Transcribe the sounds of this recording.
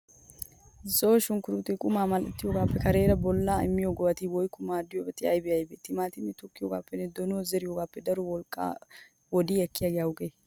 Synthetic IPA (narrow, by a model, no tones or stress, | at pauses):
zoːʃʊŋkʊɾʊt̪ɛkʼʊmaːmɐlʔɛt̪ːɪjoːɡaːpːɛkɐɾe̞ːɾɐbɔlːaːɪmːɪjoːɡɔwɐt̪iwɔjkːʊmaːd̪ɪjɔbɛt̪ɪɐjbɛɐjbɛt̪ɪmaːt̪ɪnːɛt̪ʊkːɪjoːɡaːpːɛnːɛd̪ɔnoːzɛɾɪjoːɡaːpːɛd̪ɐɾɔwɔlkʼːa̰ː | wɔd̪iːɛkːɪjaːɡɛjaʊɡeː